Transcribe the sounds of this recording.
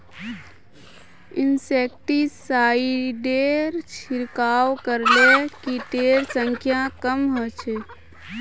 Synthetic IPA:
ɪnsek̚ʈisaiɖeɾt͡ʃʰiɾkaːwkəɾlekit̪eɾsə̃ŋkʰjakəmɦɔt͡ʃʰe

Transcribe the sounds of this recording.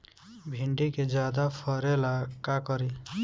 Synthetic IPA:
bʱiɳɖiked͡ʒad̪apʰɔɾelakakɔɾi

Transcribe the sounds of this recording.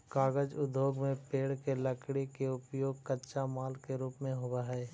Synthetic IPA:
kaːɡəd͡ʒʊd̪ʱjoːɡmẽpeːɽkeləkɽekeʊpjoːɡ̚kətːʃamaːlkeɾuːpmẽɦʊwaɦɛː

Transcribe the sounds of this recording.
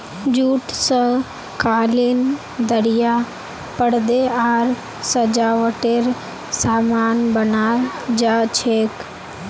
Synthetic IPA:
d͡ʒuːʈsə̃ | kaːlin | d̪əɽɪja | pəɽd̪eaːɾ | səd͡ʒaːʋəʈeɾ | saːmaːnbənaːd͡ʒaːt͡ʃʰeːk

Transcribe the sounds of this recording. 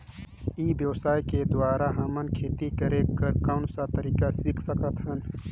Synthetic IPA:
iːbjɐwsaːjked̪waːɾaɦɐmɐnkʰeːt̪ikɐɾekɐɾkaːʊnsat̪ɐɾiːkasikʰsɐkət̪ɦɐn

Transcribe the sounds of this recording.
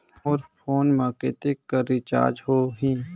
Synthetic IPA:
ɔːɾfʰoːnmaːket̪ekːaɾɪt͡ʃa̰ːɾd͡ʒɦoːɦĩː

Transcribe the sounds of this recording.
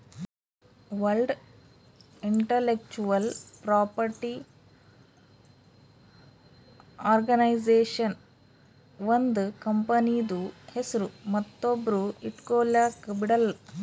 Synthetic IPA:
ʋɐlɖ | iɳʈɐlek̚t͡ʃuʋɐlpɾaːpɐɾʈi | aːɾɡɐnɐjd͡ʒeːʂɐn | ʋɐnd̪kɐmpɐnid̪uhesiɾumɐt̪ːobɾuiʈkoːljaːkupiʈɐl

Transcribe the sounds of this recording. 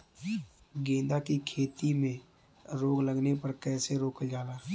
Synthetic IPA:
ɡẽːnd̪akikʰeːt̪imẽ | ɾoːɡləɡnepɐɾkɛːseɾoːkəld͡ʒaːlaː

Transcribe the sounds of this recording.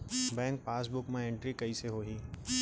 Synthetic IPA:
bɛ̃ːŋk̚paːs̬bʊkmẽẽɳʈɾikɐiseɦoːɦiː

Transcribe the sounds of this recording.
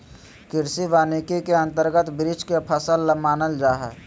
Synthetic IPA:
kɪɾsiʋaːnikikeə̃nt̪əɾɡət̪bɾɪd͡ʒkepʰəsəlːəmaːnəld͡ʒaːɦɛ

